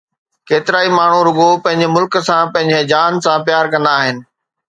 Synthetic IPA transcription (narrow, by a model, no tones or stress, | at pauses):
keːt̪ɪɾaːimaːɳ̤uɾʊɠopɐ̃ɦɪ̃ɲd͡ʑɪmʊlk̆sãpɐ̃ɦɪ̃ɲd͡ʑed͡ʑaːnsãpjaːɾkɐ̃nd̪aːɦɪnɪ̆